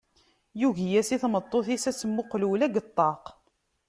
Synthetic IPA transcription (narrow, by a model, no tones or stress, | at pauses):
juʝjæsiθmət̪ˤːoθisæsəmːʊqluwlæɡət̪ˤːɑq